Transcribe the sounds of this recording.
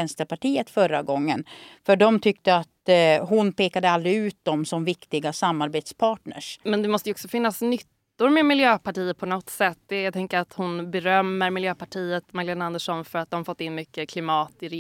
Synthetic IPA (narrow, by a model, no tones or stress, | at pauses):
ɛnst̪əɾpʰaʈiːət̪fœɾːa̰ɡɔŋːənfœɖɔmt̪ʰʏkt̪əat̪ɦʊnpʰeːkad̪əald̪ɾɪʉ̟ːt̪̚d̪ɔmsɔmvɪkt̪ɪɡasamːaɾbeːt̪spʰɑːʈɳə̰ʂmɛnd̪ɛmɔst̪əjɔksɔfɪnːasnʏt̪ːʊɾmeːmɪljøːpaʈiːət̪̚pʰɔnɔt̪sɛt̪ːd̪ɛjat̪ʰɛŋkəɾat̪hʊnbɛɾœmːəɾmɪljøːpʰaʈʰiːət̪maɡleːnand̪əʂɔnfœɾat̪̚d̪ɔmafɔt̪ːɪnːmʏkːəkʰlɪmɑːt̪ɪɾ